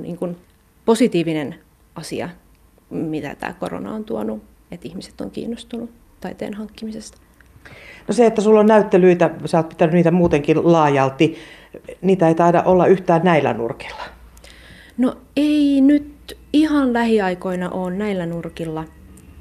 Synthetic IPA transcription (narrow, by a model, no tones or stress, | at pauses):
nḭːŋkun | posit̪iːʋinen | ɑsḭɑ̰ | mit̪æ̰t̪æ̰ːkoro̰nɑ̰ont̪uonu | et̪ihmise̥t̪ːo̰ŋkḭːnːost̪unu | t̪ɑit̪ḛːnhɑŋkːimisest̪ɑ̥ | noseet̪ːæsulːonnæyt̪ːelyit̪æsæoːt̪pit̪ænynniːt̪æmuːt̪eŋkillɑːjɑlt̪ːi | niːt̪æeit̪ɑidɑ̰ʔolːɑyht̪æːnnæilːæ̰nṵrki̥lːɑ̥ | noeinyt̪ | ihɑnlæhiɑikoinɑʔoːnnæilːænurkilːɑ